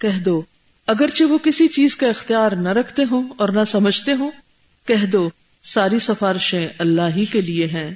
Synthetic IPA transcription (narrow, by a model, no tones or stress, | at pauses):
kɛɦd̪oː | ɐɡəɾt͡ʃeʋokɪsit͡ʃiːzkaɪxt̪ijaːɾnaɾɐkʰt̪eɦõɔːɾnasɐməd͡ʒʱt̪eɦõː | kɛɦd̪o | saːɾisɐfaːɾɪʃẽɐlːaːɦikelieɦɛ̃ː